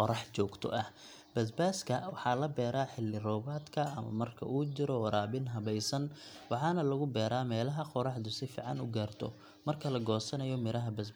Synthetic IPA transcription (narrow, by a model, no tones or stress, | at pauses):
ɔɾɑħt͡ʃɔːɡt̪ʰɔ̰ʔɐh | b̥ɐsbaːskʰɐwɑħɑːlɐbɛːɾaːħɪlːɪrɔːbaːd̪kʰɐɐmɐ̰mɐrkʰɐ̰uːt͡ʃɪɾɔɾaːbɪnɦɐβɛjsɐnwɑħɑːnɐlɐɣʊbɛːɾaːmɛːlɐɦɐqɔɾɑħd̪ʊsɪfḭːʕɑ̰nʊɡaːrt̪ʰɔ̰ | mɐrkʰɐlɐɡɔːsɐnɐjɔmɪɾɐɦɐbɐs